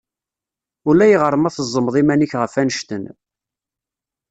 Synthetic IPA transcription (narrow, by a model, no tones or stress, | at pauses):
ʊlæjəʁəɾˤəmæθəzˤːəmðˤimæniçʁəfænəʃt̪ən